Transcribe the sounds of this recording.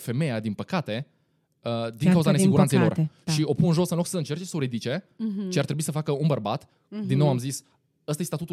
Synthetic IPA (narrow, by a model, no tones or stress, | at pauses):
fe̞me̞jad̪inpəkat̪e̞ | əd̪iŋŋkauzanesiɡuant̪sejlo̞rʃio̞punɨnʒosɨnloksəɨnt͡ʃe̞rt͡ʃe̞soɾed̪it͡ʃe̞t͡ʃiart̪ɾe̞buisəfakəunbərbat̪ | d̪inːo̞wamzis | əst̪aest̪at̪ut̪u